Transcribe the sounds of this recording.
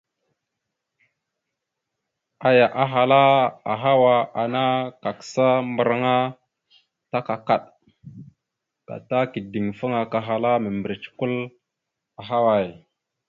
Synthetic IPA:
a˨ja˨ʔa˨ɦa˨la˦a˨ɦa˦wa˨a˨na˦ka˨kə̥˨sa˦mbə˨ɾa˦ŋa˦ | ta˦ka˨ka˨ɗ | ka̰˨ta˦ki˨di˨ŋfə˦ŋa˨ka˨ɦa˨la˦mə˨mbə˨ɾi˨t͡ʃku˦l | a˨ɦa˦wa˨j

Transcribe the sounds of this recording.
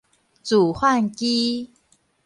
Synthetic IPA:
t͡su˨˩hwa˥˧nki˦

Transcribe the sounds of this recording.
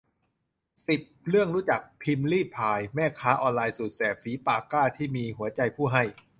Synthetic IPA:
si˨˩p̚ɾɯ˥˩əŋɾuː˦˥t͡ɕa˨˩k̚pʰi˧mliː˥˩t̪̚pʰaː˧jmɛː˥˩kʰaː˦˥ʔɔː˧nlaː˧jsuː˨˩t̪̚sɛː˨˩p̚fiː˨˦˥paː˧˩kaː˥˩t̪ʰiː˥˩miː˧ɦu˩˦ɐt͡ɕa˧jpʰuː˥˩ɦa˥˩j

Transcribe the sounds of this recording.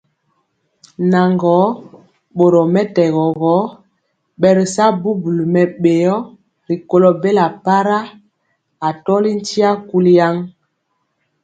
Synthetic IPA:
na˨ŋɡɔ˨˦ | ɓo˨ɾɔ˨mɛ˦tɛ˨ɣɔ˨ɣɔ˨˦ | ɓɛ˨ɾi˨sa˦bu˦bu˨lmɛ˨ɓe˨jɔ˦ | ɾi˨ko˦lɔ˨be˦la˨pa˦ɾa˦ | a˨tɔ˦li˦n˦ti˦a˦ku˦li˦ja˦ŋ

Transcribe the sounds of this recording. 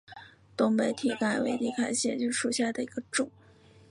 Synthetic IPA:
t̪ʊ˥ŋpe˧˥ɪt̪ʰi˨˩ka˥˩nwḛ˧˥ɪt̪i˥˩kʰa˧˩ɪɕjɛ̰˥˩t͡ɕjo˥˧ʂu˥˧ɕja˥˩d̪ə˩i˧˥ɡ̥ə˧ʈ͡ʂʊ˨˩˦

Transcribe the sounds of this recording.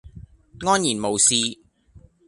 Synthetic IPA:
ŋɔː˥njiː˨˩nmo˨wsiː˧

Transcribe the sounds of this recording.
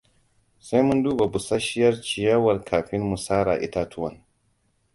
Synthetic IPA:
sa˦jmʊ˦nduː˦ba˨bʊ˨sa˦ʃɪ˦jɐ˦rt͡ʃɪ˨jɐ˦wɐ˨rkʰaː˨ɸɪ˦mmu˨saː˦ɾa̰ː˨ʔɪ̰˦ta˦tʰʊ˦wɐ̰˨n

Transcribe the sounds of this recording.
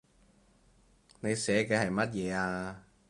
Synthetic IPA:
ne˨˧jsɛː˨˥kɛː˧hɐ˨˩jmɐ˥t̚jɛː˨˧aː˧

